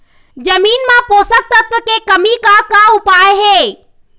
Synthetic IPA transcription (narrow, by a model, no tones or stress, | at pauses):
d͡ʒəmiːnmãpoːsək̚t̪ət̪ʋəkekəmikakaʊpaːeɦeː